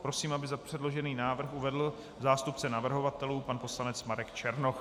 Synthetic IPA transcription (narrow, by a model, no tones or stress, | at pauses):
pɾo̞siːmabɪzapr̝̥ɛdlo̞ʒɛniːnaːvr̩xuvɛdl̩ | zaːst̪upt͡sɛnavr̩ɦo̞vat̪ɛluːpanpo̞slanɛt͡smaɾɛkt͡ʃɛɾnox